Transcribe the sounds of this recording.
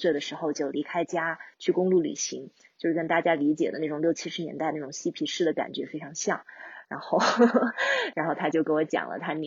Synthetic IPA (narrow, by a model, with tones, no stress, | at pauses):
swe˥˩d̪ə˩ʂɻ̩˧˥xo˧ʊt͡ɕjo˥˩ʊli˧˥kʰa˥ɪt͡ɕja˥t͡ɕʰy˥˩kʊ˥ŋlu˥˩ly̰˨˩ɕḭ˧˥ŋ | t͡ɕjo˥˧ʊʂɻ̩˥˩kə˥nt̪a˥˩t͡ɕja˥li˧˥t͡ɕjɛ˨˩d̪ə˦a˥˩ʈ͡ʂʊ˨˩ŋljo˥˩ʊt͡ɕʰi˥ʂɻ̩˧˥jɛ˧˥nt̪a˥˧ɪəna˥˩ʈ͡ʂŋɕi˥pʰi˧˥ʂɻ̩˥˩d̪ə˩ka̰˨˩nt͡ɕɥɛ˧˥fe˥ɪʈ͡ʂʰɑ˧˥ŋɕjɑ̰˥˩ŋɻa˧˥nxo˥˩ʊ | ɻa˧˥nxo˥˩ʊt̪ʰa˥t͡ɕjo˥˩ʊke˥wɔ˧˥t͡ɕjɑ̰˨˩ŋlʔə̰˦t̪ʰa˥n˨